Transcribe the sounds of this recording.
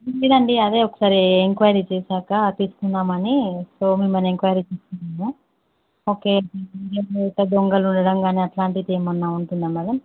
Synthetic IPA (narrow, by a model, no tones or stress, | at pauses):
lid̪ɐɳɖiɐd̪e̞ːɔkːɐ̥saːɾieŋkʋɐːjɐɾit͡ʃeːsaːkɐt̪iːsu̥kunːaːmɐniso̞ːmimːɐneŋkʋɐjɐɾit͡ʃeːst̪unːaːmu | oːke̞ːeiɾijɐmt̪ːɐd̪oŋɡɐluɳɖɐɽɐmɡaːneɐʈlaːɳʈid̪eːmɐnːauɳʈund̪aːmːaːlɐm